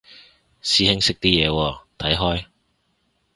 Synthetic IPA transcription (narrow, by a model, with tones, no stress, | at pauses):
siː˨˥hɪ˥ŋsɪ˥k̚t̪iː˥jɛː˨˧wɔː˧t̪ʰɐ˨˥jɦɔː˥j